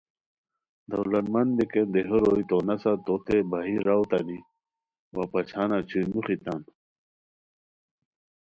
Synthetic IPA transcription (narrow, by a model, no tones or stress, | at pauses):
d̪ɐwlɐnmɐnbikend̪eɦoɾoit̪onɐsat̪ot̪ebaɦiɾawt̪ɐni | wapɐt͡ɕʰanat͡ɕʰujnuxit̪an